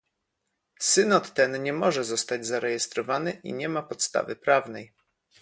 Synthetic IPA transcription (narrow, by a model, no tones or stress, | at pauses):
sɘnɔt̪ːɛnɲɛmɔʐɛzɔst̪ad͡ʑzaɾɛjɛst̪ɾɔvanɘʔḭɲɛmapɔt̪st̪a̰vɘpɾavnɛj